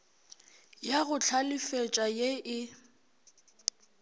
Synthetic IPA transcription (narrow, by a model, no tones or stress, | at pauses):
jaɣʊt͡ɬʰalɪfet͡ʃʼajeʔɪ